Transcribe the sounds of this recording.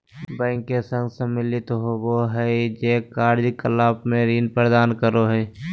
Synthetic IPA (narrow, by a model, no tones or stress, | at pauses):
bɛ̃ːŋkːesə̃ŋɡsəmːɪlɪt̪ɦoboɦɛd͡ʒeːkaːɾd͡ʒikəlaːpmẽɾiːnpəɾd̪aːnkəɾoɦɛː